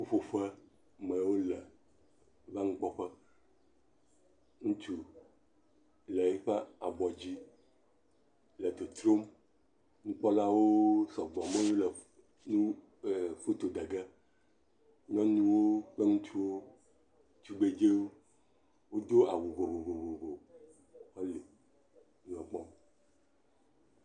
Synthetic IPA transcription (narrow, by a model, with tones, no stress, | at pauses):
wo˦ɸo˨ɸə˦ | mə̃˨wo˦lə˨ | va˦ŋ̩̃˦k͡pɔ˦ɸə˦ | ŋũ˦t͡ʃu˨ | lə˨e˦ɸə˦a˨ɡ͡bɔ˨d͡ʑi˦ | lə˨d̪o˨t̪ɾo˦m | ŋũ˦k͡pɔ˦la˦wo˦sɔ˨ɡ͡bɔ˨mẽ˦wo˦lə˨ | nũ˦˨ | fu˦t̪o˨d̪e˨ɡe˦ | ɲɔ̃˦nũ˦wo˦k͡pe˦ŋũ˦t͡ʃu˦wo˦ | t͡ʃu˦ɡ͡be˨d͡ʒe˦wo˦ | wo˦d̪o˦a˨wo˨vo˨βo˨vo˨vo˨vo˨ | ɔ˦le˨ | nũ˨ɔ˨k͡pɔ˦